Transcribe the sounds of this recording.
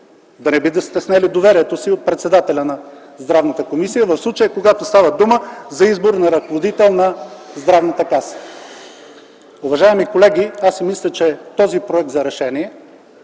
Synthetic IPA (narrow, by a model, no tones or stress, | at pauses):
d̪ɐnɛbid̪əst̪ɛsnɛlid̪ovɛɾiɛt̪osiot̪̚pɾɛt̪sɛd̪at̪ɛlʲɐnɐ | zd̪ɾavnət̪əkomisijəvɐfslˠut͡ʃəjəkoɡat̪ʊst̪avəd̪uməzɐizboɾnɐɾɐkovod̪it̪ɛlˠnɐzd̪ɾavnət̪əkasə̥ | ʊvɐʒaɛmikolɛɡʲiasɛmislʲət͡ʃɛt̪ɔzipɾoɛk̚t̪zɐɾɛʃɛniɛ